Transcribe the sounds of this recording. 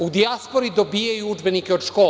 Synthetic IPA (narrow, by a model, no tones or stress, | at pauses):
ud̪iaspoɾid̪o̞bijajuud͡ʒbenikeod̪̥ʃkoː